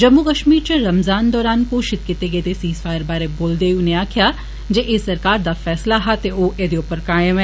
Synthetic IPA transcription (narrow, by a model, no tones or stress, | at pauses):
d͡ʒɐmːukəʃmiːɾt͡ʃə̃ɾɐmzaːnd̪ɔːɾaːnkoːʃɪt̪̚kɪt̪eɡet̪esiːsfaːjəɾbaːɾeboːld̪eʊneaːkʰja | d͡ʒeʔesɐɾkaːɾd̪aːfɛːslaɦat̪eoːʔeːd̪eʊpəɾkaːjəmɛ̃